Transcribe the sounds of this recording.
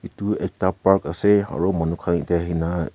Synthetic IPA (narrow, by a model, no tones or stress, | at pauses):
ituɛk̚tapaɾkasea̰ɹumɔnukʰanitaɦina